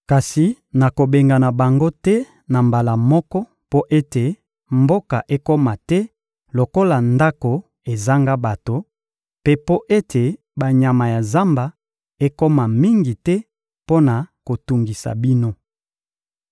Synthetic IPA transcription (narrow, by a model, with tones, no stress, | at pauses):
ka˨si˨ | na˨ko˨be˨ŋɡa˨na˨ba˨ŋɡo˦tɛ˦ | na˨mba˨la˨mɔ˦kɔ˦ | po˦ʔe˦te˨ | mbo˦ka˨ʔe˦ko˦ma˨tɛ˦ | lo˨ko˦la˨nda˦ko˨ | e˨za˦ŋɡa˦ba˨to˨ | pe˦po˦ʔe˦tʰe˨ | ba˨ɲa˨ma˨ja˨za˦mba˨ | e˦ko˦ma˨mi˦ŋɡi˨tɛ˦ | po˦na˨ko˨tu˨ŋɡi˨sa̰˨bi˦no˦